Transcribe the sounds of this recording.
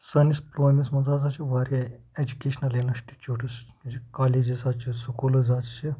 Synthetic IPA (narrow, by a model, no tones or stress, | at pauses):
sɐnisploːjmʲismɐzaːzaːt͡ʃʰiʋaːɾeed͡ʒukʲeːʃnɐleːnɐʃʈi̥t͡ʃuːʈɨsikaːleːd͡ʒizaːt͡ʃʰisukuːlɐzaːt͡ʃt͡ʃʰi